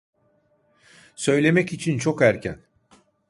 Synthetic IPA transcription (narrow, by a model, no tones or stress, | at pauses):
sø̞jlʲe̞mɛcit͡ʃʰint͡ʃʰo̞kæɾcʰæn